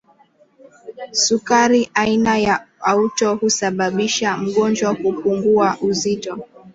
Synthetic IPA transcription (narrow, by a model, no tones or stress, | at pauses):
sukaɾiʔainajaautɔhusaɓaɓiʃam̩ɠɔnd͡ʒwahupuŋɡuaʔuzitɔ